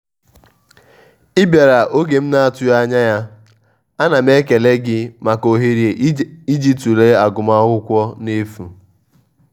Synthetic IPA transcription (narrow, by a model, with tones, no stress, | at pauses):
ɪ˦bja˨ɾa˨ʔo˦ɡe˨m̩˦na˦a˨tʊ˦ja˦ɲa˦ja˦ | a˦na˨m˦e˦ke˨le˦ɡɪ˦ma˨ko˨ɦe˨ɾe˨i˦d͡ʒi˦tu˨le˦a˨ɡʊ˨ma˦ɦʊ˦kʷɔ˦ne˦fu˨